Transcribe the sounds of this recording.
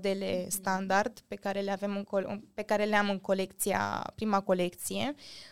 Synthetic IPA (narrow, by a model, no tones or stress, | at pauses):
d̪e̞le̞st̪and̪ard̪pe̞kaɾe̞le̞ave̞mɨŋkoɨ̰pe̞kaɾe̞leamɨŋko̞le̞kt̪sija̰pɾimako̞le̞kt̪sije̞